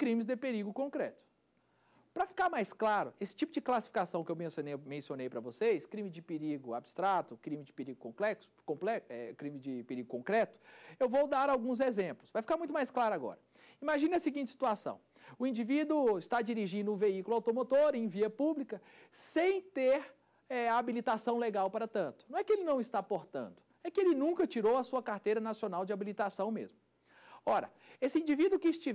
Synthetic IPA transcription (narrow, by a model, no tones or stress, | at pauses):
kɾĩmɪzd̪ɪpeɾiɡʊkõkɾɛt̪ʊ̥ | pɾɐfi̥kaɾmajsklaɾʊesɪ̥t͡ʃipʊd͡ʒɪklasi̥fi̥kasɐ̃w̃kɪewmẽsionejmẽsionejpɾɐvosejskɾĩmɪd͡ʒɪpeɾiɡʊa̰bɪst̪ɾat̪ʊkɾĩmɪzd͡ʒɪpeɾiɡʊkõplɛksʊ̥kõplɛɛkɾĩmɪd͡ʒɪpeɾiɡʊkõŋkɾɛt̪ʊ̥ewvowd̪aɾawɡũzezẽplʊsvajfi̥kaɾmũj̃t̪ʊmajsklaɾʊaɡɔ̰ɾɐ | imaʒĩnɐsiɡĩt͡ʃɪ̥si̥t̪uasɐ̰̃w̃ | ʊĩd͡ʒivid̪ʊɪst̪ad͡ʒiɾiʒĩnd̪ʊũveikulʊawt̪omot̪oɾẽj̃viɐpublikɐ | sẽj̃t̪eɾ | ɛaabilit̪asɐ̃w̃leɡawpaɾɐt̪ɐ̃nt̪ʊnɐ̃w̃ɛkɪelɪnɐ̃w̃ɪst̪apoɾt̪ɐ̰̃nd̪ʊ | ɛkɪelɪnũkɐt͡ʃiɾowɐsuɐkaɾt̪ejɾɐnasionawd͡ʒɪabilit̪asɐ̃w̃mḛzmʊ | ɔɾɐ̰ | esɪĩnd͡ʒivid̪ʊkɪist͡ʃi